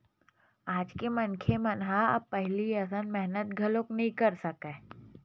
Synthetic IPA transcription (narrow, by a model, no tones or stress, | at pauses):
aːd͡ʒkemɐnkʰemɐnɦaɐ̰bpɛɦliɐsənmɛɦnət̪ɡʱɐloknɐɦĩkɐɾsɐkẽː